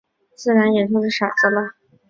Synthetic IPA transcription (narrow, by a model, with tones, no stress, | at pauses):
t͡sɹ̩˥˩ɻa˧˥njɛ˨˩ʈ͡ʂʊ˥˧ʂ̩˥ʂa˨˩t͡sə˥lə˧